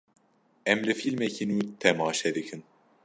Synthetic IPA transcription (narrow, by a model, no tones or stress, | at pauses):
ɛmlɨfilmɛcʰinuut̪ʰɛmɑːʃɛd̪ɨkʰɨn